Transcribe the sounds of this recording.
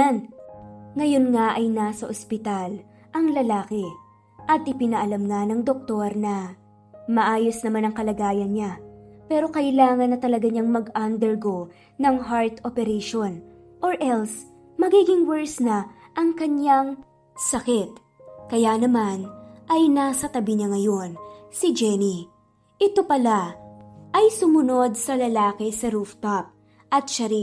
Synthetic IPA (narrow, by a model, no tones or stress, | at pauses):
n | ŋɐjo̞nŋaʔɐjnasɐʔospɪt̪al | ʔɐŋlɐlaːkɛ | ʔɐt̪ʔɪpɪnɐʔɐlɐmŋanɐŋd̪ok̚t̪o̞ɾnɐ | mɐʔaːjo̞snɐmanɐŋkɐlɐɡaːjɐnɲapɛːɾo̞kɐʔɪlaːŋɐnːɐt̪ɐlɐɡaɲaŋmɐɡʔand̪ɛɹɡo | nɐŋɦaɹt̪opɛɾɛjʃon | ʔoɹʔɛls | mɐɡiɡɪŋwɛɹsnɐʔɐŋkɐɲaŋ | sɐkɛt̪̚ | kɐjanɐmanʔɐjnasɐt̪ɐbɪɲaŋɐjo̞nsɪd͡ʒɛni | ʔɪt̪o̞pɐla | ʔɐjsʊmʊno̞d̪̚sɐlɐlaːkɪsɐɾuft̪ap̚ | ʔɐt̪̚ʃɐɾi